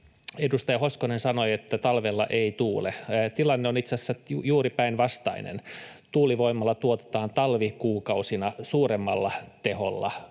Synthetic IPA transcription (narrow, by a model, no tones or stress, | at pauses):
edust̪ɑjɑhoskonensɑnoiet̪ːæt̪ɑlʋelːɑ̰ʔeit̪uːlet̪ilɑnːeonit̪sæsːæujuːripæinʋɑst̪ɑ̰inḛnt̪uːliʋoimːɑlːɑt̪uot̪e̥t̪ɑːnt̪ɑlʋikuːkɑusinɑsuːremːɑlːɑt̪eho̰lːɑ̰